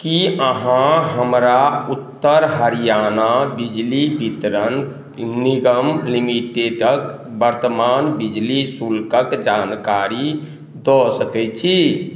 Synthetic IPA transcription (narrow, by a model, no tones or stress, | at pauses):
kiəɦãɦəmɾaut̪ːəɾɦəɾijanabid͡ʒlibʱit̪ɾən | niɡəmlimiʈeɖək | bəɾt̪əmanbid͡ʒlisulkəkd͡ʒankaɾi | d̪ɔsəkɛt͡ʃʰi